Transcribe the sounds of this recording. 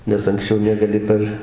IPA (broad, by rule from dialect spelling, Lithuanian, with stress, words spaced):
nʲɛs ɐŋksʲˈt͡ʃʲɛʊ nʲɛɡɐˈlʲɪ pɐr